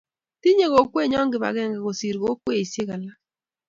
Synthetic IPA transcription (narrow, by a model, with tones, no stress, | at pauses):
ti˦ɲe˦ɣo˨kwe˦˨ɲɔ˦ŋɡɪ˨βa̰˨ɣɛ˦˨ŋɡɛ˨ɣo˨si˨ɾɣo˨˦kwe˦˨i˨sje˦ɣa˨la˦